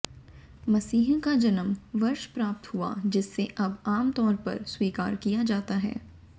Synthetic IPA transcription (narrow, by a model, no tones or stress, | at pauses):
mɐsiːɦõkad͡ʒɐnəmʋɐɾʃpɾaːp̚t̪ɦua̰d͡ʒɪsːeʔɐbaːmt̪ɔːɾpɐ̰ɾswiːka̰ːɾkijad͡ʒaːt̪aɦɛ̰ː